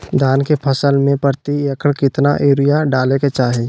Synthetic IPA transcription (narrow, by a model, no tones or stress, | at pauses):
d̪ʱaːnkepʰəsəlmẽpəɾt̪ijɐkʰəɽkɪt̪naʔeːɾɪjaɖaːleket͡ʃaːɦe